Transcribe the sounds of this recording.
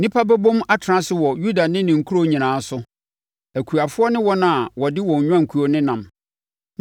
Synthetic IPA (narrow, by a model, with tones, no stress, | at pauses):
nĩ˦pʰa˦bæ˦bõ˦ma˦tʰɾã˦sɪ˨wɔ˨ju˦da˨nɪ̃˦nɪ̃˨ŋ̩˨kʰu˦ɾo˦ɲĩ˨nãː˨˦sʊ˦ | æ˨kʰu˨a˨fʊ˦ɔ˦nɪ̃˦wɔ˦nã˨wɔ˨dɪ˦wɔ̃˨ɲ˨ɲᶣ˦ã˦ŋ̩˨kʰu˨˦o˦nɪ̃˦nã˨m